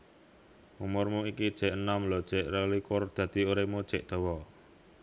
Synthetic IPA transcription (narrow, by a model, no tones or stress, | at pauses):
mumʊrmuikid̥ʒ̥ɛ̤ʔənamlɔd̥ʒ̥ɛ̤ʔrəlikʊrd̪̥ä̤d̪̥i̤oɾemud̥ʒ̥ɛ̤ʔd̪̥ɔ̤wɔ